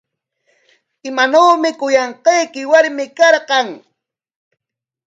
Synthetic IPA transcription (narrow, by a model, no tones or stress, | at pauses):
ɪmanawmɪkʊjɑɴqɑjkɪwaɾmɪkɑɾqɑŋ